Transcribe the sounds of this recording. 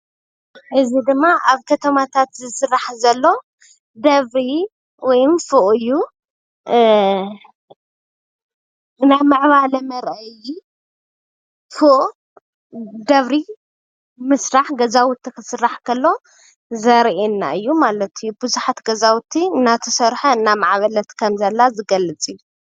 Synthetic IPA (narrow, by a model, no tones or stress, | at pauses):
ħɨzid̪ɨmːaʔaβkʰɐt̪ʰɐmat̪ʰat̪zɨsɨrːaħzɐlːo̞ | d̪ɐβɾi | wɔjmfuʔɨjːu | najmɨʕβalɐmɐɾʔɐji | fɨʔ | d̪ɐβɾi | mɨsɾaħɡɐzawt̪ʰːikʰɨsɨrːaħkʰɐlːo̞ | zɐɾʔenːa̰ɨjːumalɐt̪ʰɨjːubɨzuħat̪ɡɐzawt̪ʰːiɨnːat̪ʰɐsɐɾħɐɨnːamaʕβɐlɐt̪kʰɐmzɐlːazɨɡɐlɨt͡sʼɨjːu